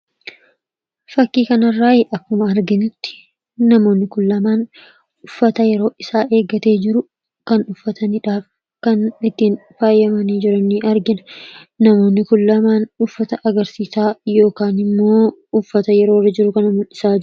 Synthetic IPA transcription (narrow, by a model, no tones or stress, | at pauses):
fɐkːiːkɐnɐrːaːɪʔɐkːʊmɐɐɾɡɪnɪt̪ːɪ̥ | nɐmo̞ːnːɪkʊlːɐmaːn | ʊfːɐt̪ɐjɛɾo̞ːʔɪsaːʔe̞ːɡɐt̪e̞ːd͡ʒɪɾʊ | kɐnʊfːɐt̪ʰɐnɪᶑaːf | kɐnɪt̪ːiːnfaːjːɐmɐniːd͡ʒɪɾɐnːiʔɐɾɡɪnɐnɐmo̞ːnːɪkʊlːɐmaːnʊfːɐt̪ɐʔɐɡɐɾsiːsaːjo̞ːkaːnɪmːo̞ːʊfːɐt̪ɐjɛɾo̞ːrːɐd͡ʒɪɾʊkɐnɐmʊlːɪsaːd͡ʒɪ